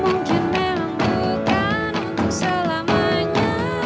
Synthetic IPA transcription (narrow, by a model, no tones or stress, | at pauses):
muŋkɪnmemaŋbukanunt̪usəlamaɲa